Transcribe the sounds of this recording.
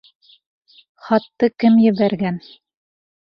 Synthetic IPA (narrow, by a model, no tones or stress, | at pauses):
χɒt̪ːɤkɘmjɘ̆βæɾɡæn